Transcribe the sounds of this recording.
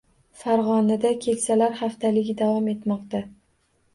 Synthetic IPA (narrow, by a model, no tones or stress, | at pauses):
faɾʁɒnad̪akʲʰe̞kʲsalaɾχaft̪ʰalɪɡʲɪd̪avɒme̞t̪mɒqt̪a